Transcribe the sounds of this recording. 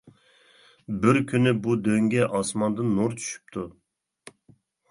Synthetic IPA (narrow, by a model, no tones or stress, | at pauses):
bɪɾkʲʰynɪbud̪øŋɡʲɛʔɑsmɑnd̪ɨnːoɾt͡ʃʰy̥ʃy̥p̚t̪ʰu